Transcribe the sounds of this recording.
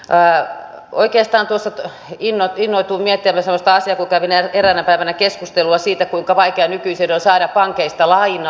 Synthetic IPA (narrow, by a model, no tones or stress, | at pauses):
o̰ikeːst̪ɑːnt̪uosːɑ | inːoinːoit̪uːmiet̪ːieæmːæsemːost̪ɑɑsiɑkukæʋinæeɾænæpæiʋænækeskust̪eluɑsiːt̪ækuiŋkɑʋɑikeɑnykyisenonsɑinɑpɑŋkeist̪ɑlɑinɑ